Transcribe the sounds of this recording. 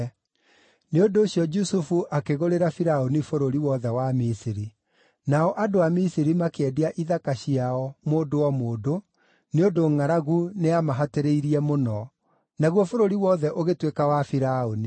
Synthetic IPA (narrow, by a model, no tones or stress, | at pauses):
neondoːɕijɔd͡ʒusufuʔakeɣoɾeɾafiɾaonifoɾoɾiwɔðɛwamisiɾi | naɔʔadoamisiɾimakeɛdiaʔiðakaɕiaɔmoːdowɔmoːdo | neondoŋaɾaɣuneamaɦateɾeiɾiɛmonɔ | naɣwɔfoɾoɾiwɔðɛʔoɣetwekawafiɾaoni